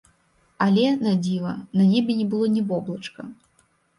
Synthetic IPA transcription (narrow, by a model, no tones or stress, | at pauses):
ɐlʲɛnɐd͡zʲivɐnɐnʲɛbʲɛnʲɛbɨlˠɔnʲɛbɔblˠɐt͡ʂkɐ̰